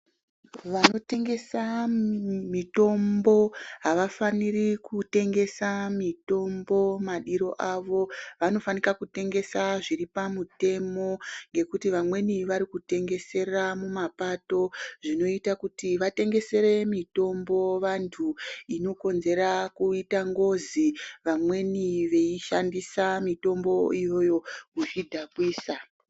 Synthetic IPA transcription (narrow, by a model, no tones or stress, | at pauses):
ʋano̞te̞ŋɡe̞sa | mito̞mbo̞ɦaʋafanirikute̞ŋɡe̞samito̞mbo̞maɗiɾo̞ʔaʋo̞ʋano̞fanikakute̞ŋɡe̞saʐiripamute̞mo̞ŋɡe̞kutiʋamwe̞niʋaɾikute̞ŋɡe̞se̞ramumapato̞ʐino̞itakutiʋate̞ŋɡe̞se̞ɾe̞mito̞mbo̞ʋantʰuino̞ko̞nze̞ɾakuitaŋɡo̞ziʋamwe̞niʋe̞iʃandisamito̞mbo̞ijo̞jo̞kuʐidʱakwiːsa